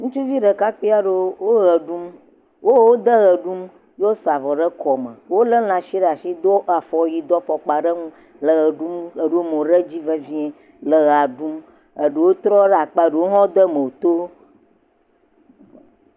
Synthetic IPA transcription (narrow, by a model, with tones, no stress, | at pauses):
ŋũ˦t͡ʃu˦vi˦ɖə˨ka˦k͡pi˦a˦ɖe˦wo˦ɣə˨ɖu˦m | wo˦wo˦d̪ə˦ɣə˨ɖu˦m | jo˦sa˨vɔ˨ɖə˦kɔ˨mə̰˨wo˦lə˦l̃ã˨ʃi˦ɖə˦a˨ʃi˦d̪o˦a˨fɔ˨ji˨d̪ɔ˦fɔ˨k͡pa˨ɖə˦ŋũ˦ | lə˨ɣə˨ɖu˦mə˨ɖo˦mõ˨ɖə˦d͡ʑi˦və˦vĩ˦ɛ˦ | lə˨ɣa˨ɖu˦m | ə˨ɖə˨wo˦t̪ɾɔ˦ɖa˨k͡pa˦ɖe˨wo˦ɦɔ̃˦d̪ə˦mə˨wo˨t̪o˦